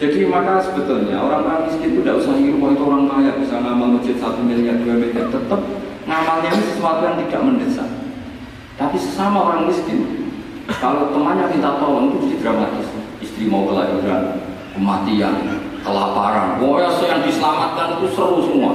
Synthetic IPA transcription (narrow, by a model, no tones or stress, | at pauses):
d͡ʒadimakasəbət̪ʊlɲaoɾaŋoɾaŋmiskɪnt̪udaʔusaɦiɾukaɦit̪uoɾaŋkajab̥isaŋamalmud͡ʒʊt̪̚sat̪umiliɦat̪̚duamət̪at̪ət̪əp̚ | ŋamalianisəsəmat̪ujaŋt̪id̥a̰ʔməndəsa̰ | t̪apisə̥samaoɾaŋmiskɪn | kalot̪əmanɲamint̪at̪alɔnit̪ud͡ʒdid̪ɾamat̪ɪs | ist̪ɾimoɡəla̰juɾa̰n | kəmat̪ia̰nkəlapaɾa̰nwɔjasəjaŋdisəlamat̪̚kanit̪usəɾʊsəmua̰